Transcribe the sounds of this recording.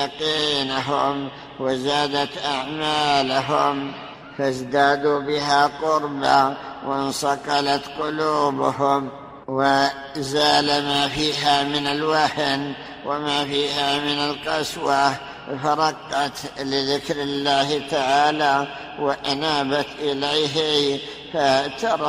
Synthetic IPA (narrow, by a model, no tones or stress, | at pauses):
ɑqiːnʊɦʊm | wɪzaːd̪at̪ʔaʕmaːlaɦʊm | fazd̪aːd̪uːbɪɦaqʊɾba̰wɪnsɑqɑlat̪qʊluːbʊhʊm | wɪ | zaːlamafiːɦamɪnalwaħn | wɪmaːfiːhamɪnalqɑswa | faɾˤɑqːɑt̪lɪðɪkɾɪlːaːht̪aʕaːla | wɪʔanaːbat̪ʔɪlajɦi | fat̪ɑɾˤ